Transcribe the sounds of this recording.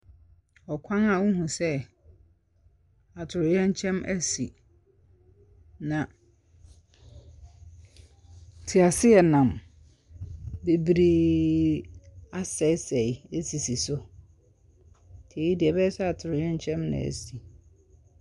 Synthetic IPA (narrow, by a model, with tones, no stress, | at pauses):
ɔ˨kʷʰã˦na˨wʊ̃˦ɦũ˨sɛ˦ | a˨tʰʊ˨ɾɪ˨jɛ̃˦ɲ˦t͡ɕʰɛ̃˦mʔæ̰˦si˨ | nã˨ | tʰi˨a˨sɪ˦ɛ˨nã˨m | be˨bɾeː˦ | a˦sɛ˨˦sɛ˨je˦si˨si˨sʊ˦ | tʰeː˨˦i˦dɪ˨ɛ˨bɛ˦sɛ˦a˨tʰʊ˨ɾɪ˨jɛ̃˦ɲ˦t͡ɕʰɛ̃˦mnɪ̰̃˨æ̰˨si˨